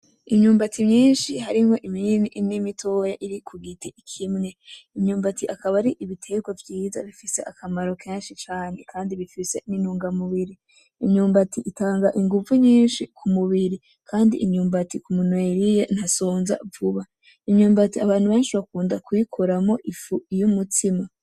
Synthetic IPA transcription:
imɲuːmbatʰimɲiːnʃihaɾiŋo̞ʔiminiʔnimitʰoːjaʔiɾikʰuɡitʰiikʰimŋe̞imɲuːmbatiʔakaβaɾiʔiβitʰe̞ːɡwavjiːza̰βifise̞ʔakʰamaɾo̞kʰe̞ːnʃit͡ʃaːne̞kʰaːndiβifise̞ninuːŋɡamuβiɾi | iɲɲuːmbatiʔitaːŋɡaʔiŋɡuvuɲiːnʃikʰumuβiɾi | kʰaːndiʔiɲuːmbatikumunweɾijen̥hasoːnza̰vuβa | iɲuːmbatiaβaːn̥huβe̞ːnʃiβakuːndakwikʰoɾamo̞ʔifuijumutʰima

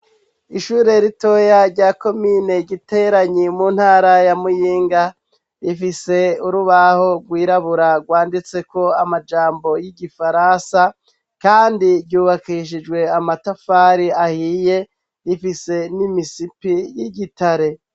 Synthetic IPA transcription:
iʃuːɾe̞ɾito̞jaɾɟaːko̞mine̞ɡɟite̞ɾaɲimunhaːɾajamujiːŋɡa | ifise̞uɾuβaho̞ɡwiːɾaβuɾaɡwaːndit͡se̞ko̞amad͡ʒaːmbo̞jiɟifaɾansa | kaːndivɟuːβakiʃ̬id͡ʒɡwe̞amatafaɾiahiːje | ifise̞nimisipijiɟitaɾe̞

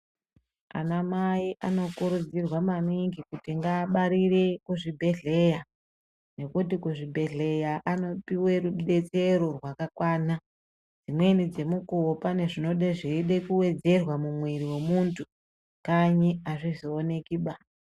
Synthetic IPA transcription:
a̰namaiʔano̞kuɾud͡zirwamaniŋɡikutiŋɡaːɓaɾire̞kuʐibʱe̞ɮe̞ja | ne̞kutikuʐibʱe̞ɮe̞jaʔano̞piwe̞ruɗe̞t͡se̞ɾo̞rwakakwaːna | d͡zimwe̞nid͡ze̞mukuwopane̞ʐino̞ɗeʐiiɗe̞kuwe̞d͡ze̞rwamumwiɾiwe̞muntʰu̥ | kaɲiaʐizoːne̞kiɓa

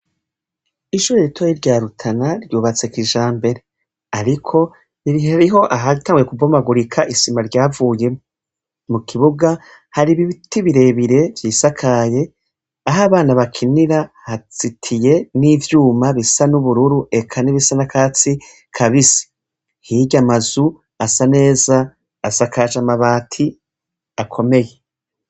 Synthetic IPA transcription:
iʃuɾeɾitʰojiɾɟaːɾutʰanaɾɟuːβat͡sekiʒaːmbe̞ɾe | aɾikʰo̞ | βiɾiaɾiɦo̞ʔaɦaitaːŋɡujekubomaɡuɾikʰaʔisimaɾɟaːvuːje̞ | mukʰiβuɡa | haɾiβiβitiβiɾe̞βiɾe̞vjiːsakʰaːje̞ | aɦaβaːnaβakʰiniɾahat͡sitʰije̞nivjuːmaβisanuβuɾuɾuʔe̞kʰaniβisanakʰaːt͡si | kʰaβisi̥ | hiɟamazu | asane̞ːzaː | sakaʒamaβaːtʰi | akʰo̞me̞je̞

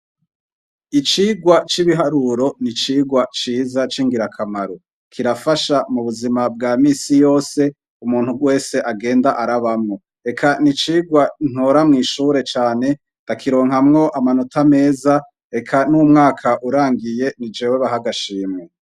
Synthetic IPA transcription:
it͡ʃiːɡwat͡ʃiβiɦaɾuɾo̞nit͡ʃiːɡwat͡ʃiːzat͡ʃiŋɡiɾakʰamaɾo | kʰiɾafaʃamuβuzimab̚ɡaːmiːsijo̞ːse̞ | umuːnhuɡwe̞ːse̞ʔaɡe̞ːndaʔaɾaβamŋo̞ | e̞kʰanit͡ʃiːɡwan̥oɾamŋiːʃuːɾe̞t͡ʃaːne̞ | d̥akʰiɾo̞ːŋɦamŋo̞ʔamanotame̞ːza | e̞kʰanumŋaːkʰaʔuɾaːŋɡije̞nid͡ʒeːweβaɦaɡaʃiːmŋe

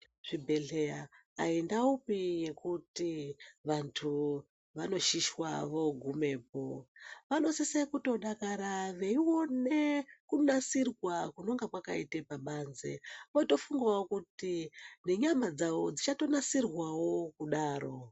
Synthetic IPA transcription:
ʐ̥ibʱe̞ɮe̞jaːendaupije̞kutiʋantʰu | ʋano̞ʃiʃwaʋo̞ɡʱume̞ːpo̞ʋano̞sesekuto̞ɗakaɾaʋe̞iwo̞nekunasirwakuno̞ŋɡakwakaitepaɓanzḛoto̞fuŋɡawokutine̞ɲamad͡zaʋo̞d͡zit͡ʃato̞nasirwawo̞kuɗaːɾo

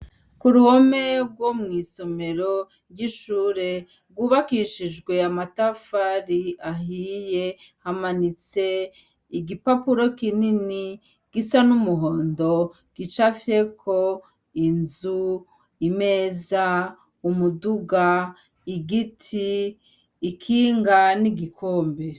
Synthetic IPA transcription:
kuɾuhome̞bɡwomŋiːso̞me̞ɾo | ɾjiʃuːɾe̞ | ɡuːβakiʃiʒɡwe̞amatafaɾiaɦiːje̞hamanit͡se̞ | iɡipapuɾo̞kinini | ɡ̥isanumuɦo̞ːndo̞ | ɡ̥it͡ʃafjekʰo̞ | inzu | ime̞za | umuduɡa | iɡitʰiː | kʰiːŋɡaniɡikʰoːmbe

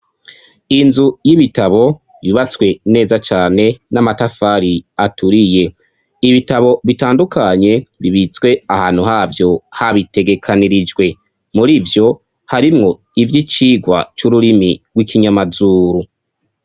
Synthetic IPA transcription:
inzujiβitaβo̞ | βiβat͡swe̞ne̞ːzat͡ʃaːne̞namatafaɾiatʰuɾije̞ | iβitaβo̞βitaːndukʰaɲe̞βiβit͡swe̞ahaːnhuɦaːvjo̞haβite̞ɡe̞kʰaniɾid͡ʒɡwe̞ | muɾivjo̞ | haɾimŋo̞ | ivjit͡ʃiːɡwa̰t͡ʃuɾuɾimiɡwikʰiɲamazuːɾu

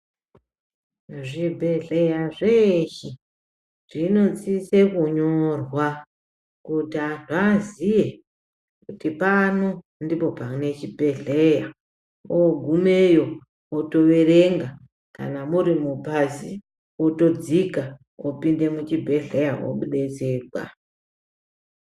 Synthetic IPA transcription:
ʐibʱe̞ɮejaʐeʃi | ʐ̥ino̞t͡sisekuɲorwa | kutianazije | kutipano | ndipo̞paune̞t͡ʃibʱe̞ɮeja | oɡʱumejo̞ | oto̞ʋeɾeŋɡa | ka̰namuɾimupazi | oto̞d͡zika | opinde̞mut͡ʃibʱe̞ɮe̞jao̰ɓuɗe̞t͡se̞ːrwa̰

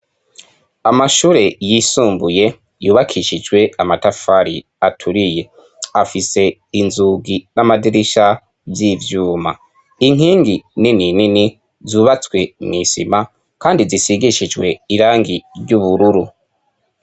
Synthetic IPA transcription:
amaʃuːɾe̞jisuːmbuje̞ | juːβakʰiʃid͡ʒwe̞amatafaɾḭ | atʰuɾije̞ | afise̞inzuɡinamadiɾiʃa | vjivjuːma̰ | iŋ̥iːŋɡinininini | zuːβat͡swe̞mŋisḭma | kaːndizisiɡiʃid͡ʒwe̞iɾaːŋɡiɾɟuβuɾuɾu

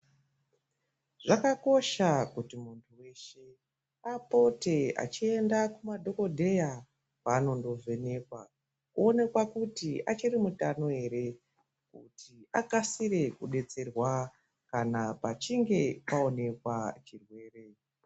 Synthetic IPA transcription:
ʐ̥akako̞ʃakutimuntʰuwe̞ʃe̞ | apo̞te̞a̰t͡ʃie̞ndakumadʱo̞ko̞dʱe̞ja | paːno̞ndo̞vʱe̞ne̞kwa | kuone̞kwakutiat͡ʃirimutano̞e̞ɾe̞ | kṵtʰiakasiɾe̞kuɗe̞t͡se̞rwa | kanapat͡ʃiŋɡe̞pao̞ne̞kwat͡ʃirwe̞ːre̞

